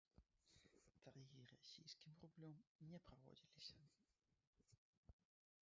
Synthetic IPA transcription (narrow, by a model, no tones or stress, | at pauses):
t̪ɐɾjiɾɐsʲijskʲɪmɾʊblʲomnʲɛpɾɐvo̰dʲilʲɪsʲɐ